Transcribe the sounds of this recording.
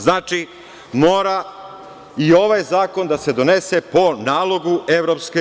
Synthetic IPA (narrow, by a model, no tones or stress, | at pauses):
znaːt͡ʃi | mo̞ːɾa | io̞ʋajzaːko̞nd̪ase̞d̪o̞ne̞se̞po̞naːlˠo̞ɡue̞ʋɾo̞pske